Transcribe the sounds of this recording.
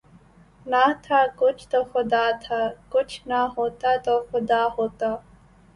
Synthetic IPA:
nat̪ʰakʊt͡ʃʰt̪oxʊd̪at̪ʰakʊt͡ʃʰnaɦoːt̪at̪oxʊd̪aːhoːt̪a

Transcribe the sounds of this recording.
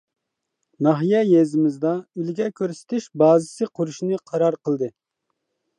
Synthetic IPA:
nɑɦijɛjezɪmɪzd̪ɑylɡʲɛkʲʰøɾsɪ̥t̪ʰɪʃbɑːzɪsɨqʰʊɾuʃnɨqʰɑɾɑɾqʰəlˠd̪ɨ

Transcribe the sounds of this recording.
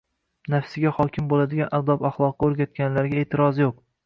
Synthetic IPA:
nafsɪɡʲaχɒkʲʰɪmbolad̪ɪɡʲanʔad̪ɒpaχlˠɒqːɑoɾɡʲat̪̚kʲanlaɾɡʲae̞ːt̪ʰɪɾɒzjoq̚

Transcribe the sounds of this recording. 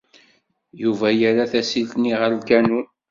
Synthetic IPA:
juvæjæɾaθæsilt̪niʁəɾlkænu

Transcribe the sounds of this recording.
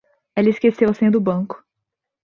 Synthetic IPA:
elɐɪskesewɐsĩd̪ʊbɐ̃ŋkʊ̥

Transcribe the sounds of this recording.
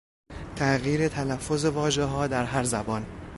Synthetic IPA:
t̪ʰæʔɣjiːɾe̞t̪ʰælæfːo̞ze̞vɒːʒe̞ɦɒːd̪æɾɦæɾzæbɒːn

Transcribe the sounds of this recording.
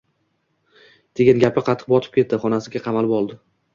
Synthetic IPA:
t̪ʰeɡʲanɡʲapɪqʰɑt̪ʰːɨ̥q̚bɒt̪ʰɪ̥p̚kʲʰe̞t̪̚ːɪχɒnasɪɡʲaqʰɑmalɪpɒlˠd̪ɪ

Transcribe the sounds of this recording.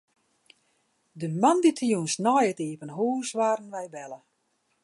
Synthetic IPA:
dəmanditʰəjunsnɔjətiːpənɦuːsʋaːɾənʋɛjʋɛlə

